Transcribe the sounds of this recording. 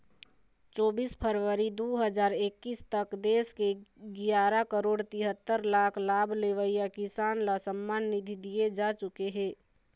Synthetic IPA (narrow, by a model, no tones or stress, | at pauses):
t͡ʃɔːbispʰəɾʋəɾid̪oɦəd͡ʒaːɾekːiːst̪əkd̪eːskeɡɪjaːɾakəɾoːɽt̪ɪɦət̪ːəɾlaːkʰlaːbʱleʋəijakɪsaːnlasəmːaːnːid̪ʱid̪ijed͡ʒaːt͡ʃʊkeɦɛ̃ː